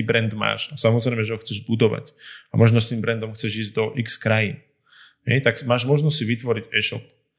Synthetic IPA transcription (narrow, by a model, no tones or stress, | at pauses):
iːbɾɛnd̪ma̰ːʃasamɔzɾɛjmɛʒɛɦɔxt͡sɛʒbud̪ɔʋa̰camɔʒnɔst̪iːmbɾɛnd̪ɔmxt͡sɛʒiːzd̪ɔʔikskɾajin | ɦɛ̰jt̪aksmaːʒmɔʒnɔstsiʋit̪ʋɔɾiɟɛʃɔ̰p̚